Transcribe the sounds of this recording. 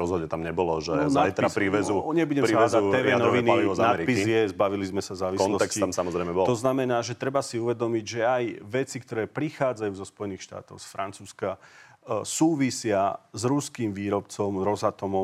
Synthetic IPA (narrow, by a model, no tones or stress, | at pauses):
ɾɔzɦɔd̪ɲɛt̪amɲɛbɔlɔʒɛ̰znat̪ɾaɾiʋɛzuɲɛbuɟɛmiaɛzaɛːʋɛnɔʋinzanaɛɾipizjɛzbaʋilizmɛsazaːʋikɔnlɔsɛksiamsamɔzɾɛɪmɛbɔlt̪ɔznamɛnaːʒɛt̪ɾɛbasiuʋɛd̪ɔmiɟʒɛajʋɛt͡sikt̪ɔɾɛːpɾixaːd͡zajuːzɔspɔjɛniːxʃt̪a̰ːt̪ɔʊsfɾant͡suːska | suːʋisɪazɾuskiːmʋiːɾɔpt͡sɔmɾɔzat̪ɔmɔ